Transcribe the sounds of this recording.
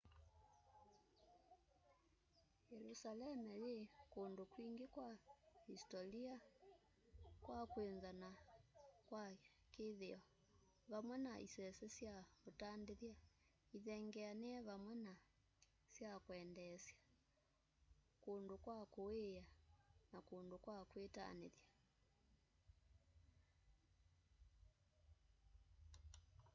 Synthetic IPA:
jɛlusalɛmɛlikondukwiŋɡekwahistɔlia | kwakwenzana | kwa | keðeɔ | βamwɛnaḭsɛsɛsjaotandeðja | iðɛŋɡɛaneɛβamwɛna | sjakwɛndɛsja | kondokwakoejanakondokwakweta̰nḛðja

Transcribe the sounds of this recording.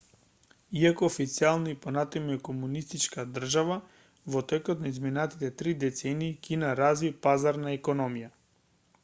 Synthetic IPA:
iakoːfit̪sialˠniipɔnat̪ɛmuɛkomunist̪it͡ʃkad̪r̩ʒava | vɔt̪ɛkɔt̪naizminat̪it̪ɛt̪ɾid̪ɛt̪sɛniːkinaɾazipazaɾnaɛkɔnɔmija

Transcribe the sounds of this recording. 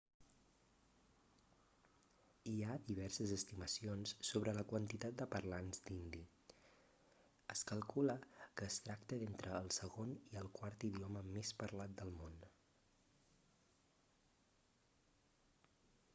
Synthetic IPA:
iaðiβ̞ɛɾsəzəst̪iməsionsːoβɾələkwənt̪it̪at̪̚d̪əpərlanzd̪ind̪i | əskəlˠkuləkəːst̪ɾakt̪əðent̪ɾəːlˠsəɣoniəlˠkwaɾt̪iðioməmespəɾlat̪̚d̪əlˠmon

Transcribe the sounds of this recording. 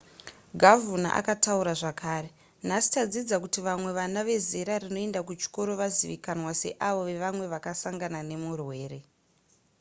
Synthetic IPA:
ɡʱavuna̰ʔa̰katauɾaʐakaːɾe̞ | n̤asi̥tad͡zid͡zakutiʋamwe̞ʋanaʋe̞zeɾarino̞e̞ndakut͡ʃi̥ko̞ɾo̞ʋaziʋikanwase̞̰ʔaʋo̞ʋe̞ʋamwe̞ʋakasaŋɡanane̞murwe̞ːɾe̞

